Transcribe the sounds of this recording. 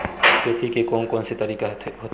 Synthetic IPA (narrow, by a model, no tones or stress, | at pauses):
k̪et̪ʰikekõːnkɔ̃ːnset̪ɐɾiːkaɦot̪